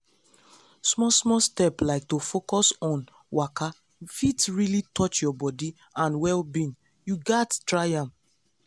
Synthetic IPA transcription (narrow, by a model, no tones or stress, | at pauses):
smɔsmɔstɛplaɪk̚tofokɔsɔ̃n | waka | fitɹilitʰɔt͡ʃjɔbɔdi | ãnwɛlbĩn | juɡattɹajãm